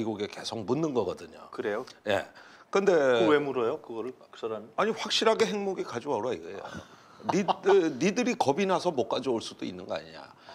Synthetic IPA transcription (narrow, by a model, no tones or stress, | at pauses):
iɡuɡeke̞sʰok̚munːɯnɡʌɡʌdɯɲo̰kɯɾe̞joje̞̰ | kɯnde̞wemuɾʌjokɯɡʌɾɯɭ | sʌɾanaɲiɸwak̚ɕ͈iɾɦaɡe̞ɦeŋmoɡikad͡ʑowaɾoaɲiɡeḛjo̰o̰ | ninidɯɾikʌbinasʰʌmok͈ad͡ʑioɭs͈ud̥oinːɯnɡʌa̰ɲḭɲa̰